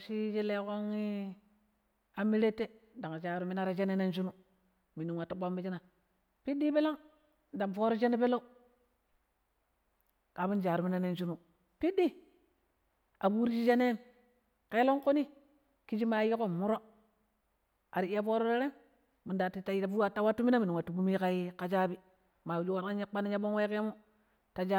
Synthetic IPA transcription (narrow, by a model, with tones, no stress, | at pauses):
ʃi˦d͡ʒi˦le˦ko˦ŋi˦ | a˨mi˦ɾe˦tːe˦da˨ŋa˨d͡ʒa˨ɾu˦mi˦na˦ɾa˨d͡ʒe˦ne˦ne˦nd͡ʒ̬u˦nu˦ | mi˨nu˨wa˨ta˦ɓa˦m˦i˦d͡ʒi˦na˨ | pi˦di˦be˦la˦ŋ | da˨mfo˦ɾo˦d͡ʒe˦ne˦pe˦lo˦ | ka˨bu˦nd͡ʒa˨ɾu˨mi˦na˦ne˦nt͡ʃu˦nu˨ | pi˦di˦ | a˨bu˦ɾi˦d͡ʒi˦d͡ʒa˦ne˦m | ke˦lo˦ŋko˦ni˦ | ki˦d͡ʒi˦ma˨ji˦ko˦mu˦ɾo˦ | a˨ɾi˨˦ja˦fo˦ɾo˦ɾe˦ɾe˦m | mu˨nda˨ti˨ta˨˦˨fu˦a˨tːa˦wa˦tːu˦mi˦na˦mi˨i˨ŋwa˨tu˦bu˦mi˦ka˦ji˦ka˦d͡ʒa˦bi˦ | ma˨d͡ʒu˦wa˦ɾa˦ɲa˦k͡pa˦na˦ɲa˦bo˦ŋ˦we˦ke˦mu˦ | ta˨d͡ʒa˦